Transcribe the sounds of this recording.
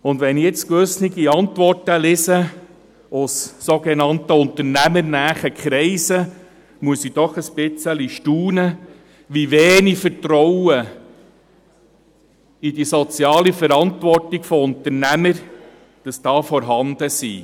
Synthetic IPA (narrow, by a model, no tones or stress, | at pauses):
ʊnd̪ʋɛnijɪt͡skʋɵsniɡiɑnt̪ʋɔrtəlɪsə | ʊssoɡenɑnt̪əʊnt̪əɾnæmənæːχəkʰχɾɛɪsə | muəsid̥ɔχəspɪt͡səliʃtuːnə | ʋiveːnifəɾtɾɔwə | idisɔt͡sjɑːlifəɾɑntʋɔrtiɡ̥fɔʊnt̪əɾnæməɾ | d̥ɑsd̥ɑːfɔɾɦɑnd̪əsḭ